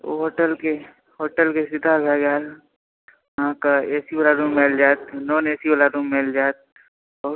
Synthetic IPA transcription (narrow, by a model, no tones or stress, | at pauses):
o̰ɦoːʈəlke | ɦoːʈəlkesɪd̪ʱabʱɛːɡaːl | ɦãkaeːsiʋəlaɾũmeːld͡ʒaːt̪noːneːsiəlaɾũːmmeld͡ʒaːt̪̚ | ɔː